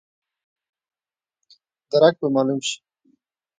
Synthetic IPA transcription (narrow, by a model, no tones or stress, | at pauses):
d̪ɐɾak̚bemaːlumɕi̥